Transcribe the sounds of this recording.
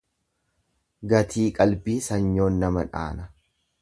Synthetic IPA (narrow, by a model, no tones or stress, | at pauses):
ɡɐt̪ʰiːkʼɐlbiːsɐɲːo̞ːnːɐmɐᶑa̰ːnɐ